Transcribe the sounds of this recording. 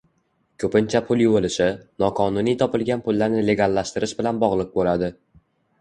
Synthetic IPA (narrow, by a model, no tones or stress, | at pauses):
kʲʰɵpɪnt͡ʃʰapʰʊlˠjʊwolɪʃɪnɒqʰɒnʊnijt̪ʰɒpɪlɡʲanpʰʊlːaɾnɪle̞ɡʲalˠːaʃt̪ɪɾɪʃbɪlanbɒʁlˠɨq̚bolad̪ɪ